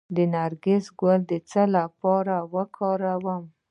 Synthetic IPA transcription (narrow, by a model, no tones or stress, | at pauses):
d̪ənaɾɡɪsɡəld̪ət͡səlapɑɾawəkʰɑɾawəm